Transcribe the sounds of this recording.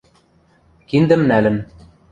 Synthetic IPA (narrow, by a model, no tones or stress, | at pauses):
kind̪ɘ̆mnælɘ̆n